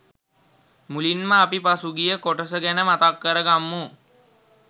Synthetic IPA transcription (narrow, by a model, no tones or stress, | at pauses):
mulinməapipasuɡijəkoʈəsəɡænəmat̪akːəɾəɡamːu